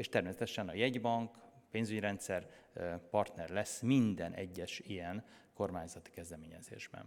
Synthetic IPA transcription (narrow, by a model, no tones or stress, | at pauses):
eːʃt̪ɛrmeːsɛt̪ɛʃɛnɒjɛɟbɒŋkpeːnzyɟɾɛnt̪sɛrpɒrt̪nɛrlɛsmind̪ɛnʔɛɟːɛʃijɛnko̞rmaːɲzɒt̪i̥kɛzd̪ɛmeːɲɛzḛːʒbɛ̰n